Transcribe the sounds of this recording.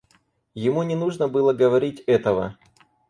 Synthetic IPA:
jɪmunʲɪnuʐnəbɨlˠəɡəvɐɾʲitʲɛt̪əvə̰

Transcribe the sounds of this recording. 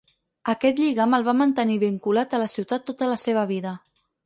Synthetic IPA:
əkɛt̪ʎiɣaməlˠβ̞amənt̪əniβiŋkulat̪ələsiwt̪at̪ːot̪ələseβ̞əβiðə

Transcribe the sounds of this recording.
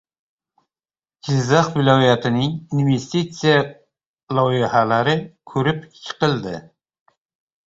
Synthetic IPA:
ɡ̥ɪzːɑχvɪlɒjat̪ʰɪnɪŋinvest̪it̪sija | lˠɒjɪhalaɾɪkʲʰɵɾɪpt͡ʃʲʰːɪ̥qɨlˠd̪ɪ

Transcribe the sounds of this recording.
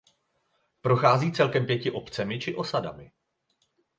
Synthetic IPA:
pɾo̞xaːziːt͡sɛlkɛmpjɛcɪʔo̞pt͡sɛmɪt͡ʃɪʔo̞sada̰mɪ

